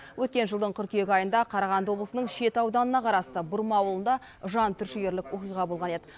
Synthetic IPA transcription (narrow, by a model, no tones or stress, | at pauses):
wʔɵt̪̚kʲe̞nʒəlˠd̪əɴqʰʏɾkeɡʲɪɑjənd̪ɑqʰɑɾɑʁɑnd̪əwo̞bləsənəɴʃe̞t̪ɑwd̪ɑnənɑqʰɑɾɑst̪əbʊɾmɑːwlˠənd̪ɑ | ʒɑnt̪ʰʏɾʃɪɡʲe̞ɾlɪkwo̞qijʁɑbo̞lˠʁɑne̞d̪ɪ